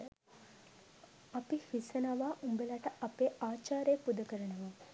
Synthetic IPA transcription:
apifisənaʋaːʔumbelaʈəʔapeːʔaːt͡ʃaːɾejːpud̪ɐkəɾənəʋa

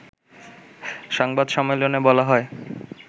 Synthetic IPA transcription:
ʃɔŋbad̪ʃɔmelonebɔlaɦɔe

